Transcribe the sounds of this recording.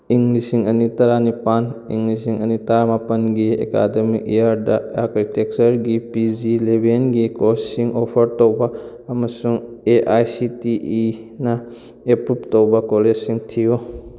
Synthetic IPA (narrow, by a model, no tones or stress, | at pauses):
iŋɡlisiŋɐnitɐɾanipaniŋɡlisiŋɐnitɐɾamapɐnɡiḛka̰demikejaɾdɐakɾitek̚t͡ʃɐɾɡipid͡ʒilebʱenɡikossiŋopʰɐɾtowbɐː | mɐsuŋeʔajsitiinɐ | epɾuptowbɐkoled͡ʒsiŋtʰijo